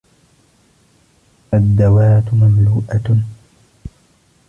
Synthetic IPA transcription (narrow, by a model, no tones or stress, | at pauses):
ʔad̪ːawaːt̪mamluːʔa